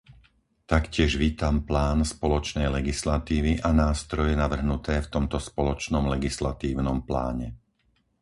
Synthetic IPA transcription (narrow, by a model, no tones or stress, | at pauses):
t̪akcɪɛʒʋiːt̪amplaːnspɔlɔt͡ʃnɛjlɛɡislat̪iːʋiʔanaːst̪ɾɔjɛnaʋr̩ɦnut̪ɛːft̪ɔmt̪ɔspɔlɔt͡ʃnɔmlɛɡislat̪iːʊnɔmpla̰ːɲɛ